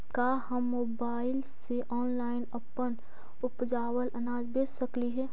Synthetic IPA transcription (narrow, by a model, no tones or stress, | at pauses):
ka | həmːoːbaːɪlseʔɔːnlaːɪnɐpən | ʊpd͡ʒaːwəlʔɐnaːd͡ʒbeːsːəkliɦɛː